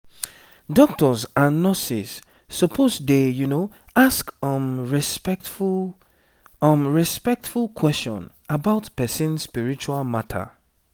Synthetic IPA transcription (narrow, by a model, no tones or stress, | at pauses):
dɔk̚tɔzãnːɔsisː | ɔpʰozdejuno | askɔ̃mɹspɛtf | ɔ̃mɹispɛk̚tfulˠkʰwɛstɔ̰̃n | əbaʊtpɛsĩnspiɹit͡ʃualmatʰə̰